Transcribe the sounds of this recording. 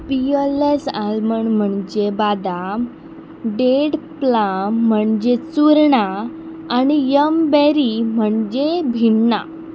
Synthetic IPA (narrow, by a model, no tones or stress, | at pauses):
pijələsalməɳm̤əɳd͡ʑebad̪am | ɖeɽplam̤ːəɳd͡ʑet͡suɾɳaː | nijəmbɛɾim̤əɳd͡ʑebʱiɳːa̰